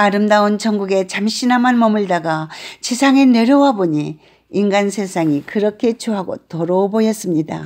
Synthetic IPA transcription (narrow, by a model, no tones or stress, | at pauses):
aɾɯmdaont͡ɕʌŋɡuɡe̞t͡ɕamɕinamanmʌmɯɭdaɡat͡ɕisʰaŋe̞ne̞ɾjowaboɲi | inɡansʰe̞sʰaŋikɯɾʌkʰe̞t͡ɕoɦaɡo̰toɾobojʌs͈ɯmɲida̰